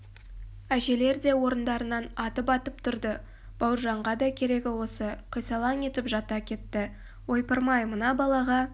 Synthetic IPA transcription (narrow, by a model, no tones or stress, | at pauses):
æʒe̞le̞ɾd̪e̞wo̞ɾənd̪ɑɾənɑnɑt̪əpɑt̪əp̚t̪ʰʊɾd̪ə | b̥ɑwɾʒɑɴʁɑd̪ɑkʲʰe̞ɾe̞ɡʲɪwo̞səqʰijsɑlˠɑne̞t̪ɪpʒɑt̪ɑkʲʰe̞t̪ːɪ | wo̞jpəɾmɑjmənɑbɑlˠɑʁɑ